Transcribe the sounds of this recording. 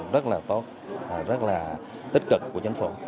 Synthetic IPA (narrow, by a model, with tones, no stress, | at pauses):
zə˦˥t̚laː˨˩t̪o˦˥t̚ | ʔzə˦˥t̚laː˨˩ | t̪i˦˥k̟̚kɨ˨˩k̚ku˧˩ət͡ɕa˨˦ŋ̟fo̰˧˩